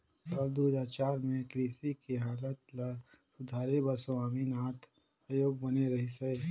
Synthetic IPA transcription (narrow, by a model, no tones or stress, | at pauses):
səld̪uːd͡ʒaːt͡ʃaːɾmẽkɾiːsikiɦaːlət̪la | sʊd̪ʱaːɾebɐɾsaːminaːt̪ʰ | aːjoːɡbəneɾɐɦise